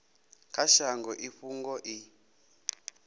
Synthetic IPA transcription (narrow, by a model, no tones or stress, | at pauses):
kʰaʃaŋɡɔʔiɸuŋɡɔʔi